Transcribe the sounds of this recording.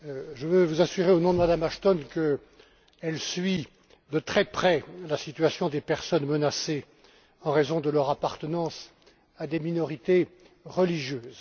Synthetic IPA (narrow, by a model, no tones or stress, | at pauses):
ʒəvəvuzasyʁeonɔ̃d̪əmad̪amaʃt̪ɔnkə | ɛlsɥi | d̪ət̪χɛpχɛlasit̪ɥasjɔ̃d̪epɛʁsɔnmənase | ɑ̃ʁezɔ̃d̪əlœʁapaʁt̪ənɑ̃s | ad̪eminɔʁit̪e | ʁəliʒjøːz